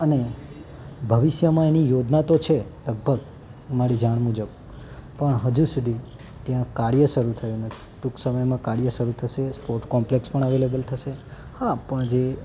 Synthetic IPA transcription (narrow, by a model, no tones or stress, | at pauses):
əne | bʱəʋiʃjəmãenijod͡ʒnat̪ot͡ʃʰeləɡ̚bʱəɡ | maɾid͡ʒaɳmud͡ʒəb | pəɳɦəd͡ʒusud̪ʱi | t̪jãkaɽjəʃəɾut̪ʰəjũnəi̥ʈuksəməjmãkaɽijəʃəɾut̪ʰəʃespoɾʈkɔmplekspəɳəʋelebəlt̪ʰəʃehapəɳd͡ʒe